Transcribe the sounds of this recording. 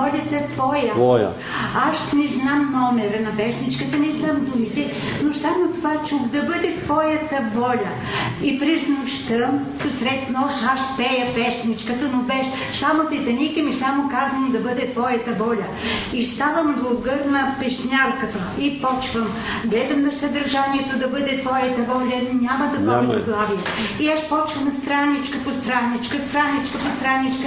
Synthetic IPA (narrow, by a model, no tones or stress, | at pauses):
ɔlʲɐt̪ɐt̪vɔjɐj̰ | aʃnɛznamnɔmɛɾənɐpɛsnit͡ʃkət̪ənɛznamd̪umit̪ɛ | nosamot̪ovat͡ʃuxd̪ɐbəd̪ɛt̪vɔjɐt̪ɐbɔlʲɐ | ipɾɛznʊʃt̪əm | sɾɛt̪nɔʃaʃpɛjɐpɛsnit͡ʃkət̪ɐnobɛʃ | samot̪ɛt̪ɐnʲik̪ɐmisamokazvɐnod̪ɐbɤd̪ɛt̪vɔjɐt̪ɐbɔlʲɐ | ist̪avəmɡulˠɡəɾnɐpɛʃnʲalˠkɐt̪əipɔt͡ʃvəm | ɡlɛd̪ɐmnɐsɐd̪ɐɾʒaniɛt̪od̪ɐbəd̪ɛt̪vɔjət̪ɐbɔlʲɐnnʲamɐd̪ɐbəd̪ɛzɐɡlˠavijɛiaʃpɔt͡ʃvɐnɐst̪ɾanːit͡ʃkəpost̪ɾanːit͡ʃkəst̪ɾanːit͡ʃkɐpost̪ɾanːit͡ʃkə